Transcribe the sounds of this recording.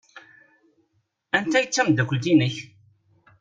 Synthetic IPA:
ænt̪æjət͡sːæmd̪ækʷəlt̪inəç

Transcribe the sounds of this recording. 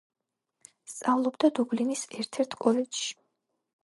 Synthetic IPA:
st̪sʼavlˠɔbd̪ad̪ublinisɛɾt̪ʰɛɾt̪ʰkʼɔlɛd͡ʒʃi̥

